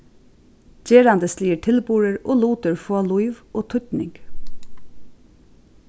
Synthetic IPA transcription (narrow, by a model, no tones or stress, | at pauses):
d͡ʒeːɾɑnd̪əsliːʈʰɪlbuːɹəɹʔo̰ːluːt̪əɹfoːluɪʋʔoːt̪ʰʏt̪nɪ̰ŋɡ̥